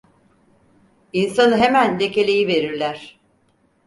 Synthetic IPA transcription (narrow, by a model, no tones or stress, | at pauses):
insanɯɦe̞mænd̪e̞ce̞lʲejive̞ɾiɾlʲæɾ̥